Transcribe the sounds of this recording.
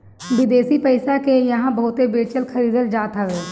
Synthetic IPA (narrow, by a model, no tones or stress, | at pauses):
bɪd̪eːsiːpəɪsaːkejəɦãːbəʊt̪eːbeːt͡ʃəlkʰəɾiːd̪əld͡ʒaːt̪aʋeː